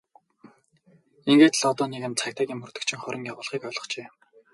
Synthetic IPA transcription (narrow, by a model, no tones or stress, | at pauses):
iŋɡeːt̪ɮɔt̪ɔːnikɘ̆nt͡sʰakʲt̪ʰaːɡʲiːmɵrt̪ɵ̆kt͡ɕʰĭŋχœɾʲə̆ŋjawʊːɮχiːkœɮʁɞ̆χt͡ɕeː